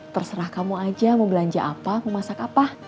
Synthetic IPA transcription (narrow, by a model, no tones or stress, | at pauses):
t̪ərsəɾahkamuad͡ʒaməmbəlaɲd͡ʒa̰ʔapaməmasakapah